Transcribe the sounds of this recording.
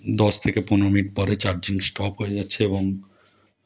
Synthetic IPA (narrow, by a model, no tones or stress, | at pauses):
d̪ɔst̪ʰekepunɾomiʈ̚pɔɾet͡ɕaɾd͡ʑiŋsʈɔpɦoed͡ʑatːɕʰeeboŋ